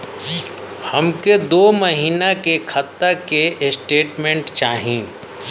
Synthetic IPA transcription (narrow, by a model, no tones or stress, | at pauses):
hɐmked̪oːmɐɦiːnakekʰɐt̪ːakeʔsʈeːʈmẽɳʈt͡ʃaːɦĩː